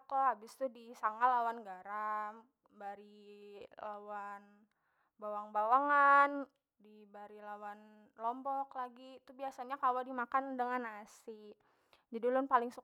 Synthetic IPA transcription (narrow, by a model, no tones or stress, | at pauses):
koɦabɪst̪udisaŋalawanɡaɾam | baɾi | lawan | bawaŋbawaŋan | dibaɾilawan | lɔmbɔklaɡit̪uhbiasaɲakalodimakandəŋanasi | d͡ʒadilʊnpalɪŋsu